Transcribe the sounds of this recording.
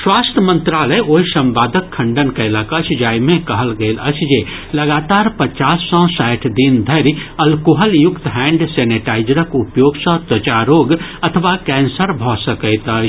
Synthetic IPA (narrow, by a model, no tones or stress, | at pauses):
swaːst̪ʰəmə̃nt̪ɾaːləjoɦisɐ̃mbaːd̪əkʰːɐ̃ɳɖənkələkət͡ʃʰd͡ʒaːjmẽkɐɦəlɡəɪlət͡ʃʰd͡ʒe | ləɡaːt̪aːɾpət͡ʃaːsːɔ̃sajʈʰd̪ind̪ʱəɾiɐlkoɦəljʊkt̪ɦɛ̃ːɳɖsɛːneʈaːɪd͡ʒɾəkupjoːɡsə̃t̪ət͡ʃaɾoːɡɐt̪ʰəʋakɛ̃ːnsəɾbʱɔsəkəɪt̪ət͡ʃ